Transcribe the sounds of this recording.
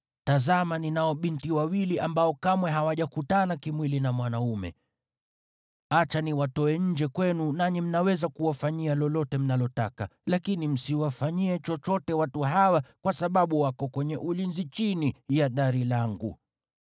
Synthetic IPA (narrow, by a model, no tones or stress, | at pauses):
tazamaninaɔɓintiwawiliʔambaɔkamwɛɦawaʄakutanakimwilinamwanaumɛ̰ | at͡ʃaniwatɔɛɲ̩d͡ʒɛkwɛnunaɲim̩nawɛzakuwafaɲialɔlɔtɛm̩nalɔtakalakinim̩siwafaɲiɛt͡ʃɔt͡ʃɔtɛwatuɦawakwasaɓaɓuwakɔkwɛɲɛʔulinzit͡ʃinijaɗaɾilaŋɡṵ